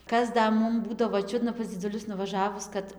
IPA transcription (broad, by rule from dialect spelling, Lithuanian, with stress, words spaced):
ˈkɐs ˈdɐ ˈmʊm ˈbuːdɐʋoː ˈt͡ʃʲʊdnɐ pɐs d͡zʲɪdʊˈlʲʊs nʊʋɐˈʒɑːʋʊs kɐt